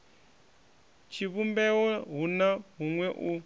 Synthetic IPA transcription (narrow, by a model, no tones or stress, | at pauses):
t͡ʃʰiβumbɛwɔɦunaɦuŋwɛʔu